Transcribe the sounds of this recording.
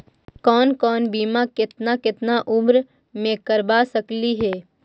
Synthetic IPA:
kɔːnkɔːnbiːmakɪt̪nakɪt̪naʔʊbɾ | mẽkɐɾbasɐkliɦɛː

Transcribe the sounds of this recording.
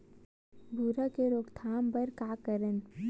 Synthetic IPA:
bʱuɾakeɾoːkt̪ʰaːmbəɾkaːkəɾən

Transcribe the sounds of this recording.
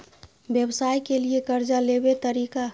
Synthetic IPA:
bjəbsaːjkeliekəɾd͡ʒalebet̪əɾiːka

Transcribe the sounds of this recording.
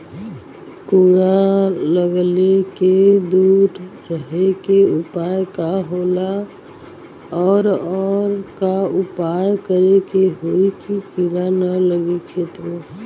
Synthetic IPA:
kuɾaləɡleked̪uːʈɾəɦekeupajkaɦola | ɔːɾɔːɾkaupajkəɾekeɦoikikuɾanələɡit͡ʃʰeːt̪ɾ

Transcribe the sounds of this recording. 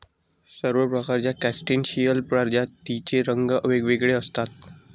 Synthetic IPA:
səɾʋəɾpɾəkaɾt͡ɕjakæsʈinɕijəlpɾaɾd͡ʑat̪ːit͡ɕeɾəŋɡəʋeɡʋeɡɭeəst̪at̪̚

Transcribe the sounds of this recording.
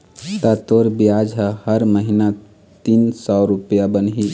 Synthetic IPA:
t̪at̪oːɾbijaːd͡ʒɦəhəɾməɦina | t̪iːnsɔːɾʊpjabənɦi

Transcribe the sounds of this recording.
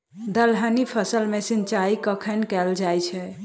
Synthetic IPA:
d̪əlɦənipʰəsəlmesint͡ʃaikəkʰənkɛld͡ʒajt͡ʃʰɛ

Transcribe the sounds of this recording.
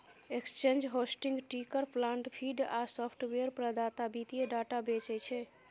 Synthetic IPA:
ekst͡ʃend͡ʒɦosʈiŋɡʈikəɾpʰlãɳʈpʰiɖasɔpʰʈweɾpɾəd̪at̪abit̪ieɖaʈabet͡ʃɛt͡ʃʰɛ

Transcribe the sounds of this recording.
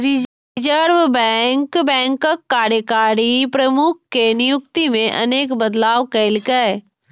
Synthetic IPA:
ɾɪ | d͡ʒəɾʋbɛŋkbɛ̃ːŋkəkːaːɾjəkaːɾipɾɐəmʊk̚ʰkenɪjʊk̚t̪imẽʔɐ̰neːkbəd̪laːʋkəɪlkə

